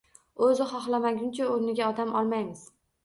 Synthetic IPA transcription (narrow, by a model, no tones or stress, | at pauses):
ɵzɪχɒχlˠamaɡʲʊnt͡ʃʰaoɾnɪɡʲaɒd̪amɒlˠmajmɪz̥